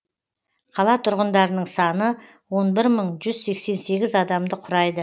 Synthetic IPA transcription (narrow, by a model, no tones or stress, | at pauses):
qʰɑlˠɑt̪ʰʊɾʁənd̪ɑɾənəɴsɑnə | wo̞nbɪɾməɴʒʏzse̞kse̞nse̞ɡʲɪzɑd̪ɑmd̪əqʰʊɾɑjd̪ə